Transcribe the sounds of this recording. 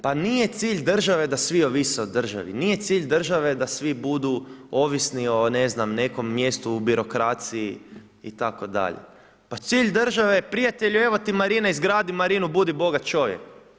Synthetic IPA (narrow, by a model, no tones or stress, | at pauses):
panije̞t̪siːʎd̪r̩ʒaʋe̞d̪asʋio̞ʋiseod̪ːr̩ʒa̰ʋḭnije̞t̪siːʎʲd̪r̩ʒaʋe̞d̪asʋibud̪uo̞ːʋisnio̞neznamne̞ko̞mːjest̪uːbiɾo̞kɾaːt̪sii | ḭt̪ako̞d̪a̰ʎḛ | pat̪siːʎʲd̪r̩ʒaʋepɾijat̪eʎue̞ʋo̞t̪imaɾinaizɡɾaːd̪imaɾiːnubud̪ibo̞ɡat̪t͡ʃo̞ʋjek